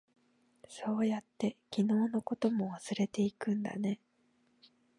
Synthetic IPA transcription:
so̞ːjat̪ːe̞kʲino̞ːno̞ko̞t̪o̞mo̞βasɨɾe̞t̪e̞ikɯ̟̃nd̪a̰ne̞

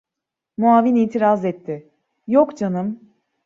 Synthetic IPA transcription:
muaːviniːt̪ʰiɾazɛt̪ʰːɪ | jokd͡ʒanɯm

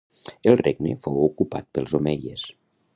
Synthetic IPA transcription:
əlˠreɡnə̰fowukupa̰t̪̚pəlˠzomeʎəs

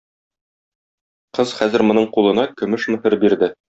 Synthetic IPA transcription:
qɤz̥χæzɘ̆ɾmŏnɤɴqulˠɤ̆nɑkɵ̆mɘʃmɵ̆hɘɾbiɾd̪ɘ

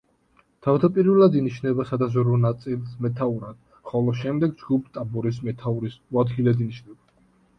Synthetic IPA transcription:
t̪ʰavd̪apʼiɾvɛlˠad̪iniʃnɛbasad̪azɔɾɔnat̪sʼilˠsmɛt̪ʰauɾad̪̥ | χɔlˠɔʃɛmd̪ɛɡd͡ʒɡup̚ʰt̪ʼabɔɾismɛt̪ʰauɾisuad̪ɡilɛd̪iniʃnɛba

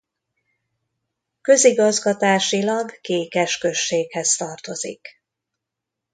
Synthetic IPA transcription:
kø̞ziɡɒzɡɒt̪aːʃilɒɡːeːkɛʃkø̞ʃːeːkhɛst̪ɒrt̪o̞zḭk

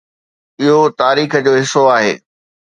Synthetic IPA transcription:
ɪɦot̪aːɾiːxəd͡ʑoːɦɪsoaːɦḛː

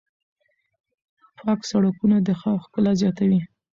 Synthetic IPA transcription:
pɑksaɽakunad̪əxɑwxkəlazjɑt̪awi

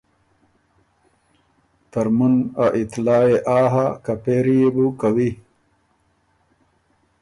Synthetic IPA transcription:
t̪ɐɾmunaʔit̪laːeʔaːɦakapeɾijebukawi

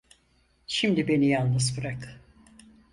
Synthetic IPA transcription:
ʃimd̪ibe̞nijalnˠnɯzbɯɾak

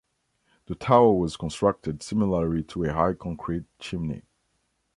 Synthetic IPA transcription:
ðətʰaʊə˞wʌz̥kʰə̃nstɹ̥ʌk̚tɨdsɪmɪləlitʰəəɦaɪkʰɑ̃ŋkʰɹ̥it̚t͡ʃʰɪ̃mnḭ

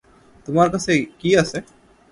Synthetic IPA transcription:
t̪ʊmaːɾkɐsekiase

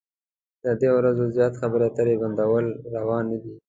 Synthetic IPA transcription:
d̪̥əd̪ewɾazozjɑt̪xabəɾat̪əɾeband̪awəlɾawɑnːad̪i

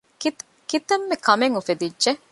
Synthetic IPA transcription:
kit̪ | kit̪ɐmːekɐmeŋufed̪idʒe

